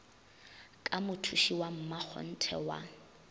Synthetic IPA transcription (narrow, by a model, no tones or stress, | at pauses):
kʼamʊtʰuʃiwam̩mak͡xʰɔ̰n̩tʰɛ̰wa̰